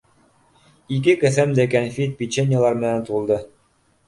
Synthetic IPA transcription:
ik̬ɘkæθæmd̪ækænfʲit̪̚pʲit͡ɕenʲːɪjalˠɑɾmɘ̆nænt̪uɤ̆lˠd̪ɤ

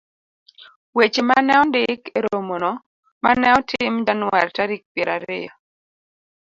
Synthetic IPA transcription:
wet͡ʃemanɛɔndɪkeɾomonɔ | manɛɔtʰɪmdanwaltaɾik̚pjeɾaɾɪ̰jɔ

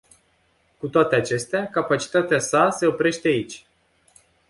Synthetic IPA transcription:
kut̪oat̪e̞at͡ʃe̞st̪eakapat͡ʃi̥t̪at̪easase̞o̞pɾe̞ʃt̪e̞ait͡ʃʲ

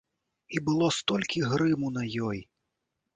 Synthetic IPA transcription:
ibɨlˠɔst̪ɔlʲkʲiɣɾɨmunɐjɔj

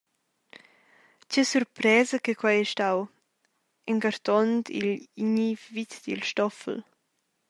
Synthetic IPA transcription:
t͡ʃesuɾpɾɛːzəkəkwajɛʃtaw | ɛŋɡaɾt̪ɔnt̪ḭliɲivit̪d̪ḭlʃtɔfl

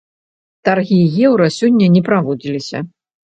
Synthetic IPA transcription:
t̪arɣʲijɛwɾɐsʲɔnʲːɐnʲɛpɾavɔd͡zʲilʲisʲɐ̰

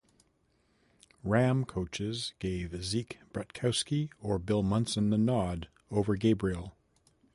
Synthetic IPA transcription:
ɹæ̃mkʰoʊt͡ʃɪzɡ̥eɪvɨzikb̥ɹɛt̚kʰaʊskiə˞bɪlˠmʌ̃nsɨ̃nðənɑd | oʊvə˞ɡeɪbɹil̩ˠ

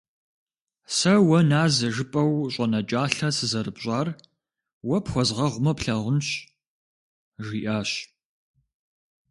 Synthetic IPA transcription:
sɐwɐnaːzɐʒɨpʼɐwɕʷʼɐnɐt͡ʃʼaːɬɐsɨzɐɾɨpɕʼɑːr | wɐpxʷɔzʁɐʁʷʊmɐpɬɐʁʷʊnɕ | ʒiːʔaːɕ

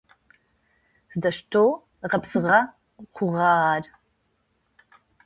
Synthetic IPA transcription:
z̥ɨdɐʃtʰoː | ʁɐpsɨʁɐ | qʷʊʁɑːʁɑːr

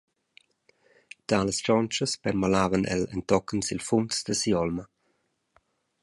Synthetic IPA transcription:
t̪aːləst͡ʃɔnt͡ʃəspɛɾmalaːvənʔɛ̰lə̰nt̪ɔkənsilfunsd̪əsiɔlmə

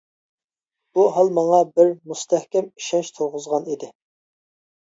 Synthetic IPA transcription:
b̥uɦɑlˠmɑŋɑbɪɾmust̪ʰɛhkʲɛmi̥ʃɛnʃt̪ʰoʁʊzʁɑnid̪ɪ

